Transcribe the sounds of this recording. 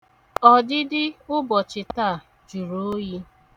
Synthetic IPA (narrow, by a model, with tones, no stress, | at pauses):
ɔ˨dɪ˦dɪ˦ʊ˦bɔ˨t͡ʃɪ˨ta˦˨ | d͡ʒu˨ɾo˨˦ji˦